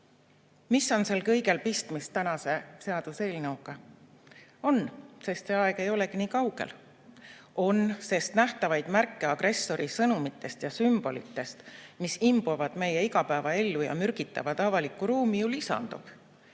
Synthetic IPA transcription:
misːo̞nse̞lkɤ̞jɡe̞lpist̪mist̪ːænɑse̞se̞ɑd̪̥use̞ːlnɤwɡ̥ɑ | o̞nse̞st̪se̞ɑeɡ̥e̞jo̞le̞kiniːkɑwɡ̥e̞̰l | o̞nse̞st̪næht̪ɑvɑjd̪̥mærkːe̞ɑɡ̥rʔe̞sːo̞ɾisɤnumit̪ːˑe̞st̪jɑsymb̥o̞̰lḭt̪ːˑe̞st̪misimbovɑd̪̥me̞je̞iɡɑpæevɑe̞lːujɑ̰myrɡ̥it̪ːˑɑ̰vɑd̪ɑvɑlikːˑuɾuːmijulisɑ̰nd̪̥ub̥

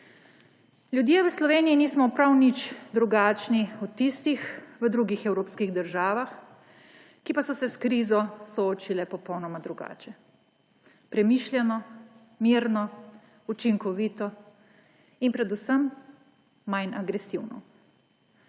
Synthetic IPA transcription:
lʲjud̪jeːʋəslɔʋeːniiniːsmɔpɾawnit͡ʃd̪ɾuɡaːt͡ʃniut̪ist̪ixʋəd̪ɾuɡixɛwɾoːpskiɣd̪əɾʒaːʋax | kipasɔsɛskɾiːzɔsɔoːt͡ʃilɛpɔpɔwnɔmad̪ɾuɡa̰ːt͡ʃɛ | pɾɛmiːʃlʲjɛnɔ | miɾnɔ | ut͡ʃiŋkɔʋiːt̪ɔ | inpɾɛd̪usəmː | ajnaɡɾɛsiwnɔ̰

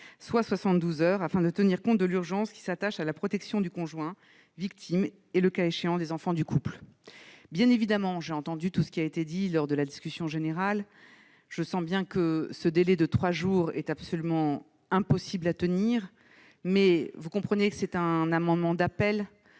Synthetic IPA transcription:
swaswasɑ̃t̪d̪uzœʁafɛ̃d̪ət̪əniʁkɔ̃t̪̚d̪əlyʁʒɑ̃skʲi̥sat̪aʃalapχɔt̪ɛksjɔ̃d̪ykɔ̃ʒwɛ̃ | vik̚t̪ʰim | eləkaeʃeɑ̃d̪ezɑ̃fɑ̃d̪ykupl | bjɛ̃nevid̪amɑ̃ʒeɑ̃t̪ɑ̃d̪yt̪usə̥kʲiaet̪ed̪ilɔʁd̪əlad̪iskʲysjɔ̃ʒeneʁal | ʒ̥əsɑ̃bjɛ̃kəsəd̪elɛd̪ət̪χwaʒuːʁɛ̰t̪apsɔlymɑ̃ | ɛ̃pɔsiblat̪əniːʁ | mɛvukɔ̃pχənekə̥sɛt̪ɛ̃namɑ̃d̪mɑ̃d̪apɛl

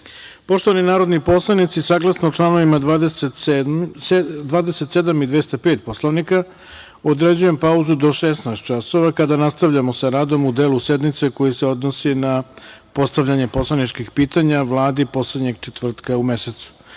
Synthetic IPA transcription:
po̞ʃt̪oʋaninaːɾo̞d̪nipo̞slˠaʋnit̪sisaːɡlˠasnoːʈ͡ʂlˠano̞ʋimad̪ʋaːd̪eset̪s | d̪ʋaːd̪eset̪se̞d̪amid̪ʋest̪ape̞ːt̪̚po̞slˠoʋnika | od̪ɾe̞d͡ʑuje̞mpauzud̪o̞ʃesnaest̪t͡ʃaso̞ʋakad̪anast̪aʋʎamo̞saɾaːd̪o̞mud̪eːluse̞d̪mit̪se̞ko̞jiseo̞d̪nosinapo̞st̪aʋʎaɲe̞po̞slˠanit͡ʃkixpiːt̪aɲaʋlˠaːd̪ipo̞sled̪ɲe̞ɡt͡ʃet̪ʋvr̩t̪kaume̞set̪su̥

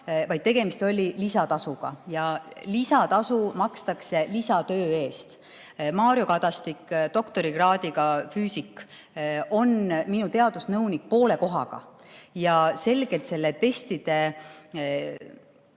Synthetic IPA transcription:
vɑjd̪̚t̪e̞ɡ̥e̞mist̪o̞lʲilisɑt̪ɑsuɡ̥ɑ̰jɑlisɑt̪ɑsumɑkst̪ɑkse̞lisɑt̪ø̞ːe̞ːst̪ | mɑːɾio̞kɑt̪ɑst̪ikːt̪o̞kt̪o̞ɾiɡrɑːd̪iɡɑfyːsikː | o̞nminut̪e̞ɑd̪̥usnɤwnik̚po̞ːle̞ko̞ɦɑ̰ɡ̥ɑ̰jɑse̞lɡ̥e̞lt̪se̞lːe̞t̪e̞st̪id̪̥e̞

